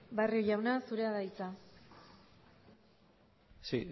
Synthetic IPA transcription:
barioʎawnasuɾe̞aðajt͡sa | si

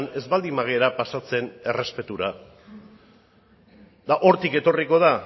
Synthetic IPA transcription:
ne̞zβald̪imaɣ̞eɾapasat͡se̞ne̞re̞spe̞t̪uɾa | ðaʔo̞ɾt̪ike̞t̪o̞riko̞ð̞a

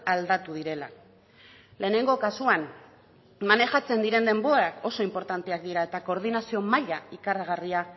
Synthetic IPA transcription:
ald̪at̪uðiɾe̞la | le̞ːne̞ŋɡo̞kasuan | mane̞ʝat͡se̞nd̪iɾe̞nd̪e̞mbo̞ɾako̞so̞impo̞ɾt̪ant̪e̞ak̚d̪iɾae̞t̪ako̞ːɾð̞inasio̞maʎaikaraɣ̞aria

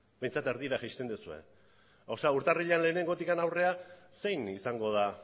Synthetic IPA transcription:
be̞jnt͡sat̪eɾðiɾaxajst̪e̞nd̪usue̞̰ | awsauɾt̪ariʎeanle̞ːne̞ŋɡo̞t̪ikanawre̞ase̞jnisaŋɡo̞ð̞a

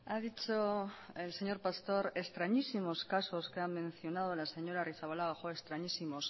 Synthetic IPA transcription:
aðit͡ʃoelse̞ɲo̞ɾpast̪o̞ɾe̞st̪ɾaɲisimo̞skaso̞skeamːẽ̞n̟θjo̞nað̞olase̞ɲo̞ɾariθaβalaɣaxoest̪ɾaɲisimos

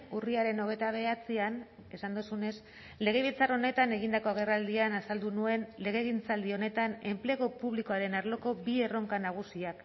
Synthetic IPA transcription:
uriaɾe̞no̞ɣ̞e̞t̪aβ̞e̞at͡sian | e̞sand̪usune̞s | le̞ɣ̞e̞βilt͡saro̞ne̞t̪ane̞ɣ̞ind̪ako̞aɣ̞e̞rald̪ianasald̪unue̞nle̞ɣ̞e̞ɣint͡sald̪io̞ne̞t̪ane̞mpleɣ̞o̞puβ̞liko̞aɾe̞naɾlo̞ko̞bie̞ro̞ŋkanaɣ̞usiak

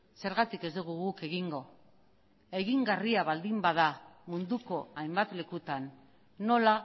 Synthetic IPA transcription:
se̞ɾɣat̪ike̞zd̪uɣ̞uɣuke̞ɣiŋɡo̞ | e̞ɣiŋɡariaβald̪imbað̞amund̪uko̞ajmbat̪le̞kut̪anː | o̞la

